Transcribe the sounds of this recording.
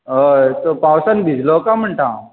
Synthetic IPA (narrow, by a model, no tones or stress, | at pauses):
ɦət̪opawsənbʱid͡zlokam̤əɳʈʰã